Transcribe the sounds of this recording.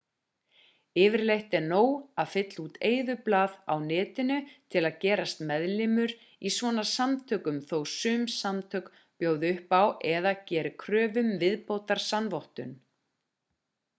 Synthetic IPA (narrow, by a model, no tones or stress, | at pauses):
ɪːvɪɾlejht̪ɛnoːwaðfɪt̪lut̪ʰeːjðʏplaːða̰wnɛːt̪ɪnʏt̪ʰɪlaðcɛːɾast̪mɛðlɪmʏɾ | isvɔːnḁsamt̪ʰœːkʏmθowsʏːmsamt̪ʰœːk | pjoːwðɪʏhpawʔɛðacɛːɾʏkʰɾœːvʏmvɪðpoːwt̪aɾ̥sanvoht̪ʏn